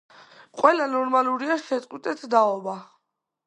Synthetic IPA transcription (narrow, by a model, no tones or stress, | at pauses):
qʼwɛlanɔɾmaluɾiaʃɛt̪ʼqʼwit̪ʼɛt̪ʰd̪aɔba